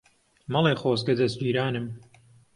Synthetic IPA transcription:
mɑlˠeːxoːzɡɐd̪ɐsd͡ʒiːɾaːnɨm

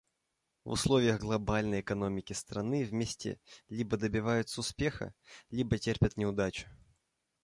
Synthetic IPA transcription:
vʊ̰slˠovʲɪjəɣɡlˠɐbalʲnəjɛkɐno̞mʲɪkʲɪst̪ɾɐnɨvmʲesʲtʲɪ̰lʲibəd̪əbʲɪvajʊt̪səʊspʲe̞xə̰lʲibətʲerpʲət̪nʲɪʊd̪at͡ɕʊ̥

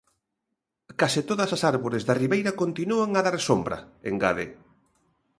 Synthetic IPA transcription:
kasɪt̪oðɐsasaɾβoɾɪzðɐriβejɾɐkont̪inuaŋaðaɾsombɾɐ̰ḛŋɡa̰ðḛ

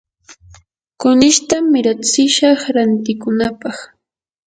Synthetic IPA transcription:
kʊnɪʃt̪amɪɾat͡sɪʃɑχɾant̪ɪkʊnapɑχ

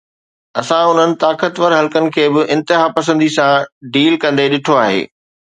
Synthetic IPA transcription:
ɐsãʊn̤ənɪ̆t̪aːkət̪ʋəɾɦɐlkənɪ̆kʰeːbɪʔɪ̃nt̪ɪɦaːpɐsə̃nd̪isãɖiːlkɐ̃nd̪eɗɪʈʰoaːɦḛː

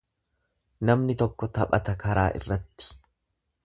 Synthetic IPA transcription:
nɐmnɪt̪ɔkːɔt̪ɐpʼɐ̰t̪ɐkɐɾaːʔɪ̰rːɐt̪ːɪ̥

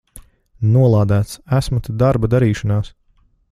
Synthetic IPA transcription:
nuɔlˠɑːd̪æːt̪sæsmut̪ad̪aɾbad̪aɾiːʃanaːs

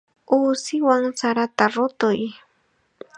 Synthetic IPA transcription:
uːsɪwaŋsaɾat̪aɾʊt̪ʊj

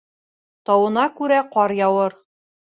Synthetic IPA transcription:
t̪ɒwɤ̆nɑkʉɾæqɒɾjɒwɤɾ

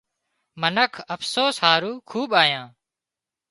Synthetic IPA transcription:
mənəkʰəfsoːsɦaːɾuːkʰuːɓaːjãː

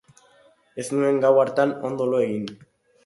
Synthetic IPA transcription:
esnue̞ŋɡawaɾt̪ano̞nd̪oloeɣin

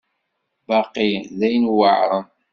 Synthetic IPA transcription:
bɑqiðæjnwəʕɾˤəm

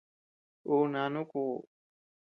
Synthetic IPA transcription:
oːnaːnukoː

